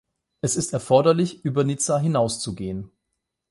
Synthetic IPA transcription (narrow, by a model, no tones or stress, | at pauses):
ʔɛsɪstɛɐfɔɐdɐlɪçʔyːbɐnit͡saɦɪnaʊst͡suɡeːən